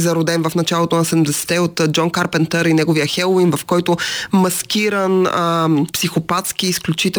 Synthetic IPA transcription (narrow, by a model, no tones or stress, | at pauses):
zɐɾod̪ɛnvɐfnɐt͡ʃalˠot̪onɐsɛd̪md̪ɛsɛ̥t̪ɛot̪d͡ʒɔnkaɾpɛnt̪əɾinɛɡovijəxɛlˠoinvɐfkɔjt̪ʊmɐskʲiɾənəpsixopat̪sk̟iːsklʲut͡ʃit̪ɛ